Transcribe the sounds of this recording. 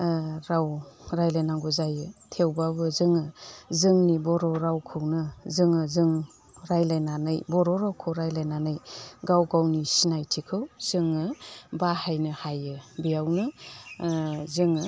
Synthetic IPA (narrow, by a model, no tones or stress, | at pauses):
ɾawɾajlajnaŋɡɔzajɯtʰewbabɯzɯŋɯzɯŋnibɔɾɔɾawkʰɯwnɯzɯŋɯzɯŋ | ɾajlajnanɯjbɔɾɔɾawkʰɯwɾajlajnanɯjɡawɡawnisinajtʰikʰɯwz̥ɯŋɯbahajnɯhajɯbijawnɯ | zɯŋɯ